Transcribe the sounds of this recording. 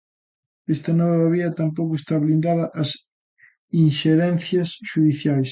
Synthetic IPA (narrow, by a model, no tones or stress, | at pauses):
est̪ɐnɔβaβɐβiɐt̪ampowkʊest̪aβlind̪aðɐʔɐs | inʃeɾɛnθjɐsʃuðiθjajs